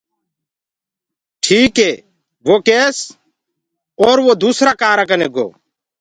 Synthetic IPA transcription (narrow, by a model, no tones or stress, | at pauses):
ʈʰiːkɦeː | ʋoːkeːs | ɔːɾʋoːd̪uːsɾaːkaːɾaːkəneːɡo̰ː